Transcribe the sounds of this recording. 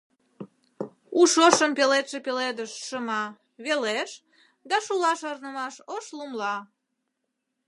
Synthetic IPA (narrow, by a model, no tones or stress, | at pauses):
uʃoʃəmpelet̪ʃepeled̪əʃʃəmɑ | βeleʃ | d̪ɑʃulɑʃornəmɑʃoʃlumlɑ